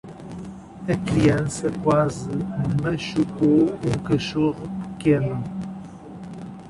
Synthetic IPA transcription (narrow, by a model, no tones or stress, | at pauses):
ɐkɾiɛ̃nsɐkwazɨmɐʃukoũkɐʃuʁpɨ̥kenu